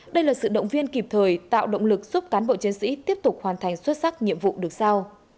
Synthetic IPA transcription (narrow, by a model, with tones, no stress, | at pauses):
ɗə˧jlaː˨˩sɨ̰˧˨ɗə̰˧˨wŋ͡mvi˧ənki˨˩p̚t̪ʰəː˨˩jt̪a̰ː˧˨wɗə̰˧˨wŋ͡mlɨ˨˩k̚z̥u˦˥p̚kaː˨˦nɓo̰˧˨t͡ɕi˨˦nsḭ˧˥t̪i˦˥əp̚t̪ʊ˨˩k̚hwaː˨˩nt̪ʰa˨˩jŋ̟swə˦˥t̚sa˦˥k̚ɲḭ˧˨əmvṵ˧˨ɗɨ˨˩ək̚sa˧w